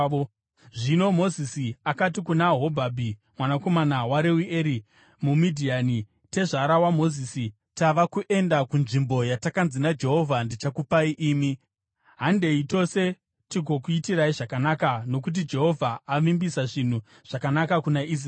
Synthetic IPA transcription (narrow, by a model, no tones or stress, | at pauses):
ʐino̞mo̞zisiakat̬ikunaɦo̞bʱabʱi | mwanako̞manawaɾewiʔeɾi | mumidʱiani | te̞ʐaɾawamo̞zisi | taʋakuʔe̞ndakunʐimbo̞jatakanzinad͡ʒe̞ɦo̞vʱandit͡ʃakupaiʔiːmi | ɦande̞ito̞se̞ | tiɡʱo̞kuitiɾaiʐakanakano̞k̬ut̬id͡ʒe̞ɦo̞vʱaːʋimbisaʐin̤u | ʐ̥akanakakunaʔis̬r